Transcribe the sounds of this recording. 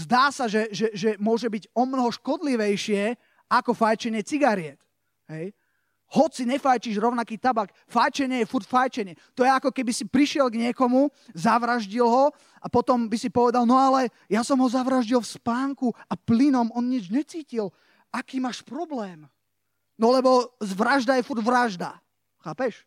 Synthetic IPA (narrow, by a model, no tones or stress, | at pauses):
zd̪aːsaʒɛʒɛʒɛmʊɔʒɛbiɟɔmnɔɦɔʃkɔd̪liʋɛjʃɪɛ | akɔfajt͡ʃɛɲɪɛt͡siɡaɾɪɛt̪ | ɦɛj | hɔt͡siɲɛfajt͡ʃiʒɾɔʊnakiːt̪abak | fajt͡ʃɛɲɪɛjɛfuɾcfajt͡ʃɛɲɪɛt̪ɔjɛakɔkɛbisipɾiʃɪɛlɡɲɪɛkɔmuzaʋɾaʒɟilɦɔ | apɔt̪ɔmbisipɔʋɛd̪alnɔalɛ | jasɔmɦɔzaʋɾaʒɟilfspaːŋkuaplinɔmɔnɲid͡ʒɲɛt͡siːcil | akiːmaːʃpɾɔblɛːm | nɔlɛbɔzʋɾaʒd̪ajɛfuɾɟʋɾaʒd̪a | xaːpɛʃ